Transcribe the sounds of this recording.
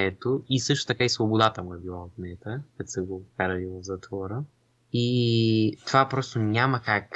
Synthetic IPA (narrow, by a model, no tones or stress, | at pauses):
ɛt̪oisɤʃt̪o̥t̪ɐkaisvobod̪at̪əmuɛbilˠaot̪nɛt̪əkɛt̪sɛɡokaɾɐvivˠvzɐt̪vɔɾə | i | t̪ovapɾɔst̪oɲʲamɐkak